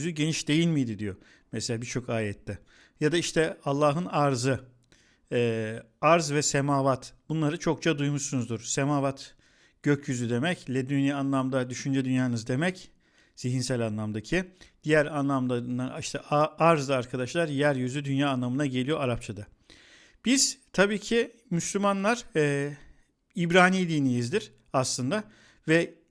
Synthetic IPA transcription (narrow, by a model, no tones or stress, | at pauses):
yzyɟe̞niʃd̪e̞jilʲmijd̪id̪ijo | mɛselʲaːbiɾt͡ʃʰo̞kaːjɛt̪ʰːɛ | jad̪aiʃt̪ʰɛalˠːaːɦɯnaɾzɯ | ɛːaɾzvɛsemaːvat̪b̥unlˠaɾɯt͡ʃʰo̞k̚t͡ʃʰad̪ujmuʃsunuzd̪uɾ̥semaːvat̪ | ɟ̥øcʰjyzyd̪e̞mɛclʲed̪ynianlˠamd̪ad̪yʃynd͡ʒɛd̪ynjaːnɯzd̪e̞mɛc | z̥iɦinsælʲanlˠamd̪acʰid̪̥ijæɾanlˠamd̪and̪aniʃt̪ʰaaɾzd̪aaɾkʰad̪aʃlˠaɾjæɾjyzyd̪ynjaːnlˠamɯnaɟe̞lʲijo̞aɾap̚t͡ʃʰad̪a | b̥iz̥t̪ʰabiːcʰi | myslʲymanlˠaɾ̥ɛ | ibɾaːniːd̪inijizd̪iɾ̥ | aslˠɯnd̪a | vɛ